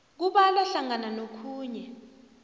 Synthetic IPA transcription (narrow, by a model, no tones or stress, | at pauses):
k̬uɓalaɬaŋananokʰuːɲɛ